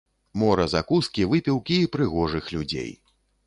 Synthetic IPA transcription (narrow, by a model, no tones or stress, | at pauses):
mɔɾɐzakuskʲivɨpʲiwkʲiːpɾɨɣɔʐɨxlʲud͡zʲḛj